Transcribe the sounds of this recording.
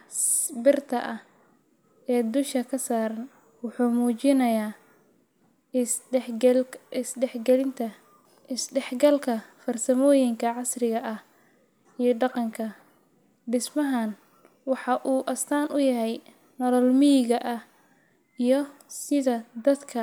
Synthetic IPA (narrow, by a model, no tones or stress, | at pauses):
sbɪrt̪ʰɐʔɐh | ɛːd̪ʊʃɐkʰɐsaːɾɐn | wʊħuːmuːt͡ʃɪnɐjaː | ɪsɖɛħɡɛlɪnt̪ʰɐ | ɪsɖɛħɡɐlkʰɐfɐrsɐmɔːjɪŋkʰɐʕɑsrɪɣɐʔɐh | ijɞɖɑqɑŋkʰɐ | ɖɪsmɐɦan | wɑħɑʔuːʔɐst̪ʰaːnʔʊjɐɦɛj | nɔlɔlmɪjɪɣɐʔɐh | ijɞsɪðɐd̪ɐd̪kʰɐ